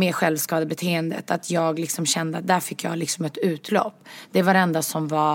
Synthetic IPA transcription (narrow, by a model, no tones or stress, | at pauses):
mɛːɧɛlvskɑːd̪əbɛt̪ʰeːɛnd̪ə̰t̪ʰat̪ʰjɑːɡlɪksɔmɕɛnd̪əat̪̚d̪æɾfɪkːjɑ̰ːlɪksɔmɛt̪ʉ̟ːt̪lɔ̰pːd̪̥ɛvaɾɛnd̪asɔmva